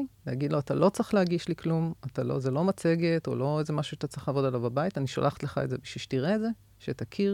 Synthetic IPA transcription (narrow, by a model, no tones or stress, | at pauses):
lehaɡid̪lo̞at̪alo̞t͡sʁiχlehaɡiʃliklumatalo̞̰zelo̞mat͡se̞ɡe̞to̞̰lo̞ezemaʃuʃat̪at͡sʁiχlaːvo̞dalavbabaitaniʃo̰lʔaχt̪leχa̰etze̞biʃiʃtiʁeːdze̞ | ʃet̪akʰi